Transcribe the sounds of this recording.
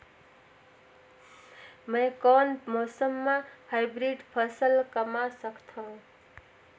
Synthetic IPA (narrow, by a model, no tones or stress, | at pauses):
məjkɔnmɔsəmːahaɪbɾiɖpʰəsəlkəmasəkt̪ʰõ